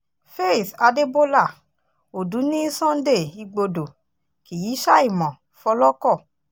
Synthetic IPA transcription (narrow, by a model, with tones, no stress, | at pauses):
fe˦i˦˨sa˧de˦bo˦la˦˨ | o˨du˨˦nĩ˦sɔ̃˦n̩˦de˦˨i˧ɡ͡bo˧do˨ | ki˨ji˨˦ʃa˦i˦˨mɔ̃˨ | fɔ˧lɔ˦kɔ˦˨